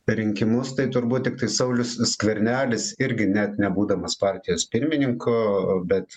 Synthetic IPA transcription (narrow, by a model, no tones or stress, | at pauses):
ɾʲɪŋʲkʲɪmʊst̪ɐɪt̪ʊɾbuːt̪̚tʲɪk̚t̪ɐɪsɐʊlʲʊssʲkʋʲɛɾʲnʲæːlʲɪsɪɾʲɡʲɪnʲæt̪nʲɛbuːd̪ɐmɐspɑːɾʲt̪ʲɪjoːspʲɪɾʲmʲɪnʲɪŋkʊbʲɛt̪